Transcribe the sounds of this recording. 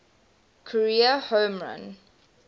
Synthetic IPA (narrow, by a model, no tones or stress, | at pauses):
kʰɔɹiəhõːmɹã̰n